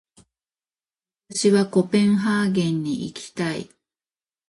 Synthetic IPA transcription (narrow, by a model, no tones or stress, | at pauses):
at̪aɕiβako̞pẽ̞ŋ̃ɦaːɡẽ̞ɲːiʔikʰʲi̥t̪aḭ